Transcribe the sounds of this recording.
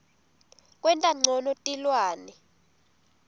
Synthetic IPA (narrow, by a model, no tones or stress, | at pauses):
kʼwɛntʼaŋ͡ǀʱɔnɔtʼilwaːnɛ